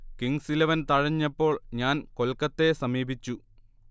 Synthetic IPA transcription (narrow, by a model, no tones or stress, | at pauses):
kiŋsilɐʋɐnt̪ɐɻɐɲːɐpːo̞ːɭɲaːnko̞lkːɐt̪ːe̞sɐmiːbʱit͡ɕːu